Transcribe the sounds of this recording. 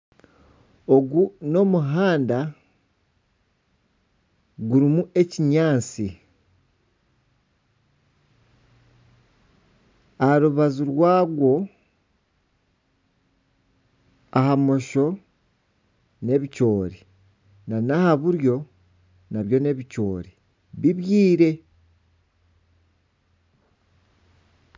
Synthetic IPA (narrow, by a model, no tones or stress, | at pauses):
oɡuno̞muɦaːnda | ɡuɾimuʔe̞ciɲaːt͡si | aɾuβaziɾwaːɡwo̞ | ahamo̞ʃo̞ | ne̞βico̞ːɾi | nanahaβuɾjo̞ | naβjo̞ne̞βico̞ːɾi | βiβjiːɾe̞